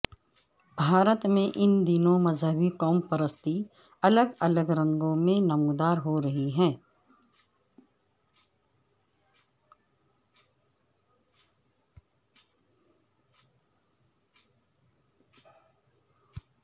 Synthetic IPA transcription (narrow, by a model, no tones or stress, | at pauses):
bʱaːɾət̪mẽʔɪnd̪ɪnõmɐzɦəbikɔːmpəɾəst̪i | ɐləɡɐləɡɾɐ̃ŋɡõmẽnɐmũd̪aːɾɦoɾɐɦiɦɛ̃ː